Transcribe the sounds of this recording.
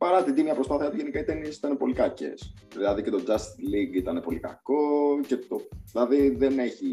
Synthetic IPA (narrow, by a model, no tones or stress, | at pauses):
pɐɾɐt̪id̪imiɐpɾo̞spaθiɐt̪uʝe̞nikɐit̪e̞nisi̥t̪ɐnepo̞likɐcḛsðilɐðicet̪od͡ʒɐst̪liŋɡit̪ɐnepo̞likɐ̰ko̞cet̪oðilɐðiðene̞çi